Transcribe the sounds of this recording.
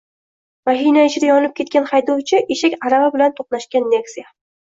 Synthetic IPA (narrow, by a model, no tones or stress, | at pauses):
maɦijnaɪt͡ʃʰɪd̪ajɒnɪp̚kʲʰe̞t̪̚kʲanχɑjd̪ɒwt͡ʃʰɪʔeʃakʲaɾavabɪlant̪ʰoqnaʃkʲanːe̞ksija